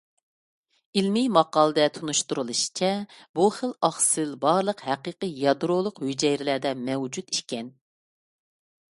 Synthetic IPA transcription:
ilmimɑqɑːlˠɨd̪ɛt̪ʰunuʃt̪uɾɨlˠɨʃi̥t͡ʃʰɛbuχəlˠɑχsɨlbɑɾlˠəqhæqiːqəjɑd̪ɾolˠʊqhyd͡ʒɛjɾɪlæd̪ɛmɛwd͡ʒut̪i̥ʃkʲɛn

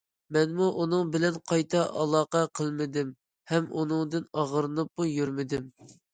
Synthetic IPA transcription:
mɛnmuʔunɨŋbɪlɛnqʰɑjt̪ʰɑʔɑlˠɑːqɛqʰəlˠmɪd̪ɪm | hɛmṵnɨŋd̪ɨnɑʁəɾɨnɨp̚mujyɾmɪd̪ɪm

